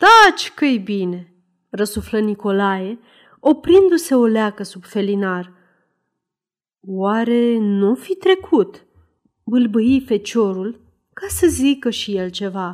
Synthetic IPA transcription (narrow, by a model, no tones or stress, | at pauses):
t̪at͡ʃʲkɨjbine̞ | rəsufləniko̞laje̞ | o̞pɾind̪use̞o̞leakəsubfe̞linar | waɾe̞nufit̪ɾe̞kʰut̪ | bɨlbɨife̞t͡ʃo̞ɾul | kasəzikəʃije̞lt͡ʃe̞va